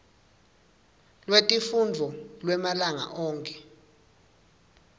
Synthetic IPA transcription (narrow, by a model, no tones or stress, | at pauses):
lwetʼifund͡vʱɔlwɛmalaŋa̰ʔɔːŋkʼɛ̥